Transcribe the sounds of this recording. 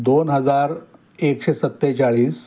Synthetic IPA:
d̪onɦəd͡zaɾ | ekɕesət̪ːet͡ɕaɭiːs

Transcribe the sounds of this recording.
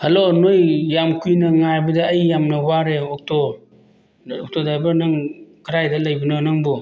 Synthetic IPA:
halonojːamkʰujnɐŋajbɐdaːjːamnɐwaɾeok̚tʰo | ɔk̚tʰodajbɐɾnaŋkʰɾajdalajbɯnanaŋbu

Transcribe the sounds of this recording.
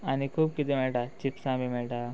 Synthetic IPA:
anikʰuːb̚kit̪emeːʈat͡ʃipsãːbimeʈa

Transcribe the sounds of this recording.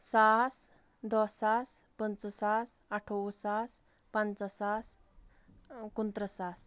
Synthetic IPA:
sas | d̪ɔsaspənt͡səsasaʈʰoʋəsas | pant͡səsas | kunt̪ɾəsas

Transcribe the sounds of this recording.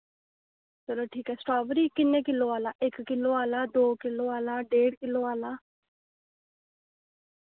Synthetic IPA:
səloːʈʰiːkɛːsʈaːbɾiːkɪnːẽːkɪlːoːaːlaːʔɪkːɪlːoːaːlaːd̪oːkɪlːoːaːlaːɖeːɽkɪloːaːlaː

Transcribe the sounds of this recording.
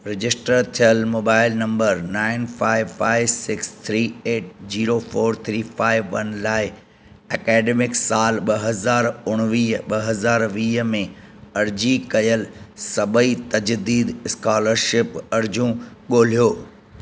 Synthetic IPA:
ɾɪd͡ʑɪsʈəɾt̪ʰijəlmoːbaːɪlnɐ̃mbəɾnaːɪnfaːɪʋfaːɪʋsɪkst̪ʰɾiːeːʈ̚ziːɾofoːɾt̪ʰɾiːfaːɪʋːɐnlaːɪ | ɛkɛːɖemɪksaːlɓɐɦɐzaːɾʊɽ̃ʋiːɦɓɐɦɐzaːɾʋiːɦmẽɐɾd͡ʑikɐjəlsɐbəit̪ɐd͡ʑd̪iːd̪ɪskaːləɾʃɪpɐɾd͡ʑũɠoːl̤ijoː

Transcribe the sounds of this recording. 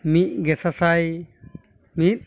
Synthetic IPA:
mit̪̚ɡɛsasaj | mit̪̚

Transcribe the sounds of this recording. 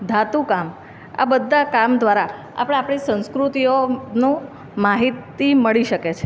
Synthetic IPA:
d̪ʱat̪ukam | a̰bəd̪ʱːakamd̪ʋaɾa | a̰pəɽ̃eapɽ̃isə̃nskɾut̪ionũ | maɦit̪iməɭiʃəket͡ʃʰe

